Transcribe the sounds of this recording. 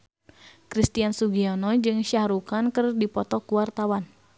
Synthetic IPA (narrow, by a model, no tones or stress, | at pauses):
kɾist̪iansuɡiɔnɔd͡ʒɨŋʃahɾukankɨrdipɔt̪ɔkuwart̪awan